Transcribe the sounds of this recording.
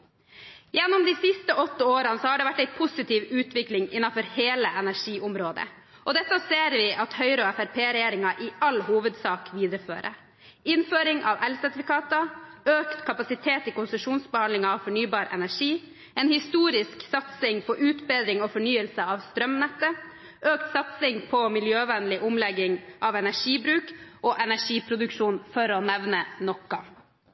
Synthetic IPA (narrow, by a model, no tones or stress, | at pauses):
jɛnːʊmd̪iːsɪst̪əʔɔt̪ːəoːɾɑnəsɔhɑːɖɛʋæʈːæɪpʰʊsɪt̪ʰiːʋʉːt̪ʰʋɪklɪŋɪnːɑnfɔɾheːləʔɛnæʂiːʔʊmɾoːd̪ə̰ | ʔɔd̪ɛt̪ːəseːɾʋɪʔɑt̪hœʏɾəɔɛfæɾpʰeːɾɛjeːɾɪŋɑʔɪɑlhuːʋəd̪sɑːkʋiːd̪əɾəfø̰ːɾə̰ | ɪnføːɾɪŋʔɑ̰ːʋɛlsæɾt̪ɪfɪkɑːt̪ɑøːkt̪kʰɑpɑsɪt̪ʰeːt̪ikʊnsəʂuːnsbəhɑnd̪lɪŋɑɑʋfɔɳyːbɑːɾʔɛ̰næʂiː | ɛːnhɪst̪uːɾɪsksɑt̪sɪŋpʰɔʔʉːt̪beːd̪ɾɪŋɔfɔɳyːəlsəɑʋst̪ɾœmnɛt̪ːə | ʔøːkt̪sɑt̪sɪŋpʰɔmɪljøːʋɛnlɪʔʊmlɛɡɪŋʔɑʋɛnæʂiːbɾʉːkʔɔːʔɛnæʂiːpʰɾʊd̪ʉkʂuːnfɔɾɔnɛʋnənɔkːɑ